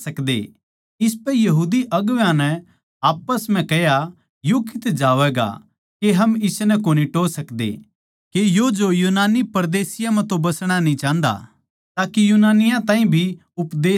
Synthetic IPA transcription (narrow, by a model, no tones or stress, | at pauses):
ɐkd̪ḛ | ɪspɛjɐɦuːd̪iʔɐɡʋjãnɛ | aːpəsm̤ɛ̃kɛja | jokɪt̪d͡ʒaːʋɛɡa̰ | keɦɐmɪsnɛkoːniʈoːsɐkd̪ḛ | kejod͡ʒojuːnaːnipɐɾd̪eːsɪjãmɛ̃t̪õbɐsɽ̃anĩt͡ʃãːnd̪a̰ | t̪aːkijuːnaːnɪjãt̪ãːĩbʱi | ʊpd̪eː